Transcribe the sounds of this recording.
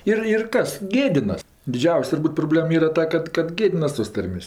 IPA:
ˈɪr ɪr ˈkɐs ˈɡʲeːdʲɪnɐs dʲɪˈd͡ʒʲɛʊsʲ tʊrˈbuːt proːˈbʲlʲeːm ˈiːrɐ ˈtɐ kɐt kɐt ˈɡʲeːdʲɪnɐs toːs ˈtɐrʲmʲeːsʲ

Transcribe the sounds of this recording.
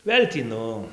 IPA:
ˈʋʲeːlʲ tʲiː ˈnʊ

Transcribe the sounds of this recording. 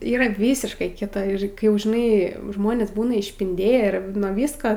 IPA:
ˈiːrɐ ˈʋʲiːsʲɪʃkɐɪ ˈkʲɪtɐ ɪr ˈkɐɪ jɛʊ ʒʲɪˈnɐɪ ˈʒmoːnʲeːs ˈbuːnɐ ɪʃʲpʲɪnʲˈdʲeːjæː ˈɪr nuɔ ˈʋʲɪskoː

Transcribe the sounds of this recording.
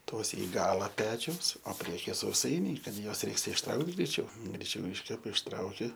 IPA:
ˈtoːs ɪ ˈɡɑːlˠɐ ˈpʲæːt͡ʃʲɛʊs oː ˈpʲrʲiɛkʲɪjɛ sɐʊˈsɐɪnʲɛɪ ˈkɐt ˈjuɔs ˈrʲɛɪks ɪʃˈtrɐʊkt ɡrʲɛɪˈt͡ʃʲɛʊ ɡrʲɛɪˈt͡ʃʲɛʊ ˈɪʃʲkʲɛpɐ ɪʃˈtrɐʊkʲɪ

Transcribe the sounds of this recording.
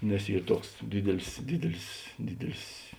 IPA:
nʲɛs ˈiːr ˈtuɔks ˈdʲiːdʲɛlʲɪs ˈdʲiːdʲɛlʲɪs ˈdʲiːdʲɛlʲɪs

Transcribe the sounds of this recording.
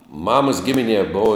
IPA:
ˈmɑːmɐs ˈɡʲɪmʲɪnʲiɛ ˈboːw

